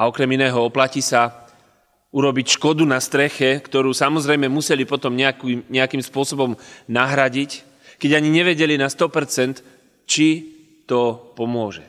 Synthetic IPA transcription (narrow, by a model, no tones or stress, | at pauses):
aɔkɾɛminɛːɦɔɔplacisa | uɾɔbicʃkɔd̪unast̪ɾɛxɛkt̪ɔɾuːsamɔzɾɛjmɛmusɛlipɔt̪ɔmɲɛakiɲɛakimspʊɔsɔbɔmnaɦɾaɟic | kɛɟaɲiɲɛʋɛɟɛlinast̪ɔpɛɾt͡sɛnt̪ | t͡ʃi | t̪ɔpɔmʊɔʒɛ